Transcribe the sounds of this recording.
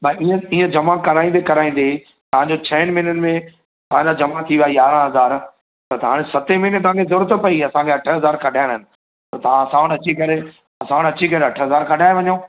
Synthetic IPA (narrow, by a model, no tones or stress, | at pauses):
baiə̃iːə̃d͡ʑɐmakɐɾaːĩnd̪ekɐɾaːĩːnd̪e | t̪ɐʋãɲd͡ʑot͡ɕʰɐɪñɪmɪnənɪ̆mẽ | t̪ɐɦãɲd͡ʑad͡ʑɐmat̪ʰiʋaːijaːɾãɦɐzaːɾ | t̪ɐt̪ɐɦaːɽ̃ẽsɐt̪emɪnet̪ɐɦãkʰezʊɾət̪pɐiɐsãkʰeɐʈʰəɦɐzaːɾkʰɐɖʱaːɪɽ̃ɦɪnɪ̆ | t̪ɐt̪ɐʋ̤ãɐsãːɽ̃ɐt͡ɕikɐɾe | ɐsãːɽ̃ɐt͡ɕikɐɾeɐʈʰəɦɐzaːɾkɐɖʱaːeʋɐɲõː